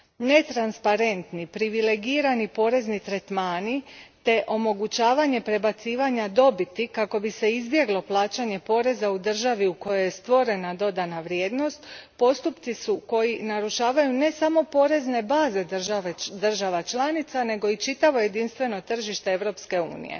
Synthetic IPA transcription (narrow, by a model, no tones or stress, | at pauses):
ne̞t̪ɾanspaɾe̞nt̪nipɾiʋile̞ɡiːɾanipo̞ːɾe̞znit̪ɾe̞t̪maːnit̪e̞ʔo̞mo̞ɡut͡ɕaːʋaɲe̞pɾe̞bat̪siːʋaɲad̪o̞bit̪ikako̞bise̞izbje̞ɡlo̞plˠaːt͡ɕaɲe̞po̞ːɾe̞zaud̪r̩ʒaʋiuko̞jojest̪ʋo̞ɾe̞nad̪o̞d̪anaʋɾjeːd̪no̞st̪po̞st̪upt̪sisuko̞jinaɾuʃaːʋajune̞samo̞po̞ɾe̞zne̞baːze̞d̪ʒad̪r̩ʒaʋat͡ʃlˠanit̪sane̞ɡo̞it͡ʃit̪aʋo̞je̞d̪inst̪ʋe̞no̞t̪r̩ʒiʃt̪e̞eʋɾo̞pske̞ṵːnḭjḛ